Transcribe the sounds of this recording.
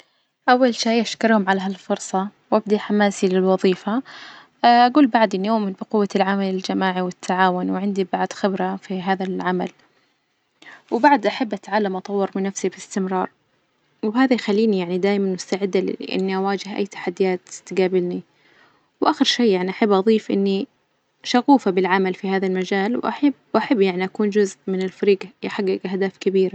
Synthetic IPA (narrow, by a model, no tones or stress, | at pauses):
ʔawːalʃaːʔaʃkɑɾˤhʊmʕalaɦalfʊɾsˤɑwʔabd̪aħamaːsilɪlwɑðˤiːfa | ʔaɡuːlbaʕd̪ʔɪnːijoːmɪnbɪqʊwːalʕamalɪld͡ʒamaːʕiwɪt̪ʰːaʕaːwʊnwʕɪnd̪ibaʕd̪xɪbɾafiɦaːðalʕama̰l | wbaʕd̪ʔaħabːʔat̪ʕaːlːamʔɑt̪ˤɑwːɑɾˤmɪnafsibɪst̪ɪmɾɑːɾˤ | wɪɦaːðajxalːiːnijaʕnid̪aːjmanmʊst̪aʕɪd̪ːa̰ʔɪ̰nːiʔawaːd͡ʒɪɦʔa̰jːt̪ḁħad̪ːɪjaːt̪t̪ɡaːbɪlni | wʔaːxɪɾʃeːaʕniʔaħabːʔɑðˤiːfʔɪ̰nːi | ʃaɣuːfabɪlʕamalfihaːðalmad͡ʒaːlwʔa̰ħɪbʔaħabːjaʕniʔakuːnd͡ʒʊzʔmɪnɪlfaɾiːɡjɪħaɡːɪɡhd̪aːfkabiːɾa